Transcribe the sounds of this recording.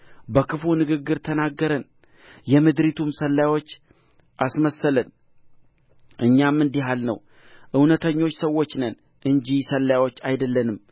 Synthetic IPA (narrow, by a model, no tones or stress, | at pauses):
bəkʰɨfunɨɡɨɡːɨɾt̪ʰənaɡːəɾən | jɛmɨd̪ɾit̪ʰumsəlːawo̞t͡ʃː | ʔasməsələn | ʔɨɲːamːɨnd̪iɦalnə̰w | ʔɨwnət̪ʰəɲːo̞t͡ʃːsəwo̞t͡ʃːnən | ʔɨɲd͡ʒisəlːawo̞t͡ʃːajd̪əlːənɨm